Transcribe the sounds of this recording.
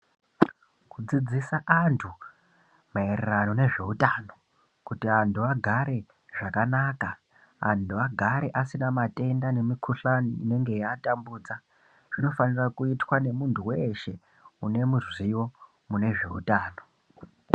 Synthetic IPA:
kud͡zid͡zisaʔantʰu | mae̞rerano̞ne̞ʐe̞utano̞ | kutiantuaɡʱaɾe̞ | ʐakanaːkaː | ntʰuaɡʱaɾeʔasinamatʼe̞ndane̞mikʰuɬanine̞ŋɡejatambuːd͡za | ʐ̥ino̞fanirakuitwane̞muntʰuwe̞ʃe̞ | une̞muzwiwo̞ | mune̞ʐe̞̰ṵtaːno̞

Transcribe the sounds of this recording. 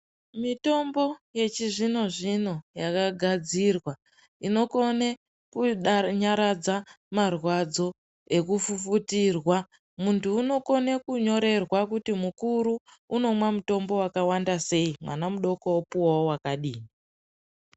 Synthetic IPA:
mito̞mbo̞je̞t͡ʃiʐino̞ʐino̞jakaɡʱad͡zirwa | ino̞ko̞ne | kuɲaɾad͡za | marwad͡zo̞ | e̞kufufutirwa | muntʰuːno̞ko̞ne̞kuɲo̞ɾe̞rwakutimukuɾuːno̞mwamuto̞mbo̞wakawandase̞imwa̰namuɗo̞koopuwaowakaɗiːni

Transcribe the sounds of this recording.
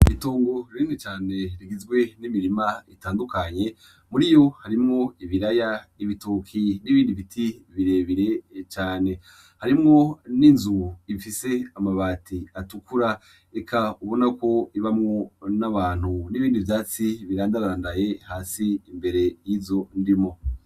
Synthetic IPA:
iitoːŋɡoɾɾiːnit͡ʃaːne̞ɾiɡizɡwe̞nimiɾimaitaːndukaɲe̞ | muɾijo̞haɾimŋo̞iβiɾaja | iβitukʰiniβiːndiβitʰiβiɾe̞βiɾe̞t͡ʃaːne̞ | haɾimŋo̞ninzuifise̞amaβaːtʰiatukuɾa | ekʰauβo̞nako̞iβamŋo̞naβaːn̥huniβiːndivjaːt͡siβiɾaːndaɾaaːndaje̞haːsiːmbe̞ɾe̞jiːvzo̞ndimo̞

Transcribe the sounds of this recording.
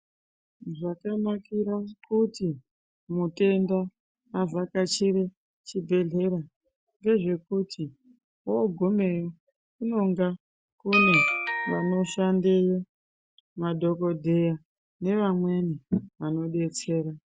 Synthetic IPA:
ʐakamakiɾakuti | mute̞ndaː | vakat͡ʃiɾe̞ | t͡ʃibʱe̞ɮe̞ɾa | ŋɡe̞ʐe̞kutʰi | woɡʱome̞jo | kuno̞ŋɡa | kune̞ʋa̰no̞ʃandejo | madʱo̞ko̞dʱe̞ja | ne̞ʋamwe̞niʋano̞ɗe̞t͡se̞ːɾa

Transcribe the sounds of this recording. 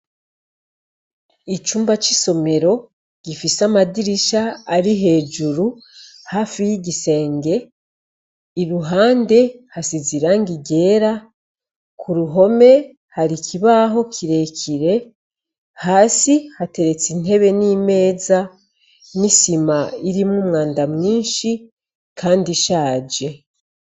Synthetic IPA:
it͡ʃuːmbat͡ʃiso̞me̞ɾo̞ | ɡ̥ifisamadiɾiʃaːɾiɦe̞ːd͡ʒuɾu | hafijiɟise̞ːŋɡe̞ | iɾuɦaːnde̞hasiziɾaŋɡiɡe̞ːɾa | kʰuɾuɦo̞me̞ | haɾikʰiβaɦo̞kʰiɾe̞cʰiɾe̞ | haːsihate̞ɾe̞t͡sine̞βe̞nime̞ːza | nisimaiɾimŋuːmŋaːndamŋiːnʃi | kʰaːndiʃaːd͡ʒe̞

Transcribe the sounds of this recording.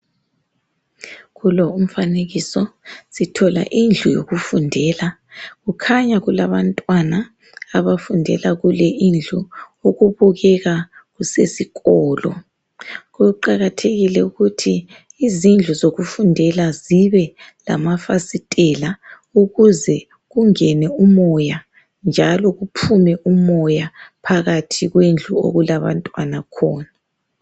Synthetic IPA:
ɣulɔum̩faneɣisɔsitʰɔla̰ʔind͡ɮʱujo̰ɣufundʱɛːlaɣukʰaɲaɣulaβantʼwanaː | βafundʱɛ̰laɣulɛʔind͡ɮʱuuɣuβuɣɛɣaɣusesiɣɔːlɔ̰ | ɣuǃaɣatʰeɣilɛuɣutʰiː | zind͡ɮʱuzoɣufundʱɛlaziβɛla̰mafasitʼɛla | uɣuzɛ | ɣuŋɛnɛumɔja | nd͡ʒʱalɔɣupʰumɛʔumɔjapʰaɣatʰiɣwend͡ɮʱuo̰ɣulaβa̰ntʼwanakʰɔːna

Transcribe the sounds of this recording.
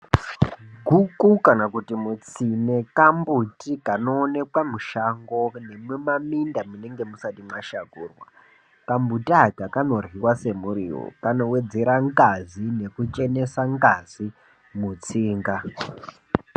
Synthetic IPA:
ɡʱukukanakutimut͡sine̞kambutikano̞ːne̞kwamuʃaŋɡo̞ne̞memamindamune̞ŋɡe̞musatimwaʃakuːrwa̰ | kambutaɡakano̞rwiwase̞muɾiwo̰kano̞we̞d͡ze̞ɾaŋɡazine̞kut͡ʃe̞ne̞saŋɡaz̥i | mut͡siːŋɡa

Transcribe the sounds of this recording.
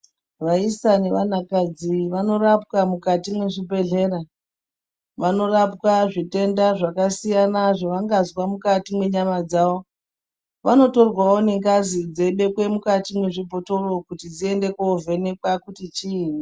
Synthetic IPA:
ʋaisane̞ʋanakad͡ziʋano̞rap̚kamukatimwe̞ʐibʱe̞ɮe̞ɾa | ʋano̞rapkaʐite̞ndaʐakasijanaʐeʋaŋɡazwamukatimwe̞ɲamad͡zao̞ | ʋano̞to̞rwaoneŋkazid͡zeɓe̞kwe̞mukatimwe̞ʐibʱoto̞ro̞kutid͡zie̞nde̞kuove̞ne̞kwakutit͡ʃiːni

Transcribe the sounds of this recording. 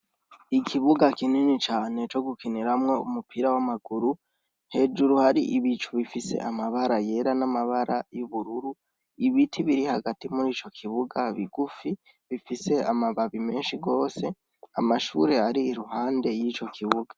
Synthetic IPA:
ikʰiβuɡakininit͡ʃaːne̞t͡ʃo̞ɡukʰiniɾamŋo̞ṵmupʰiɾawamaɡ̥uɾu | he̞d͡ʒuɾuhaɾiʔiβit͡ʃuβifise̞̰ʔamaβaɾaje̞ɾanamaβaɾʔajuβuɾuɾu | iβitʰiβiɾihaɡatimuɾiːt͡ʃo̞kʰiβuɡaβiɡ̥ufi | βifise̞amaβaβime̞ːnʃiɡo̞ːse̞ | amaʃṵɾe̞aɾiːɾuɦaːnde̞jiːt͡ʃo̞kʰiβuɡ̥ḁ

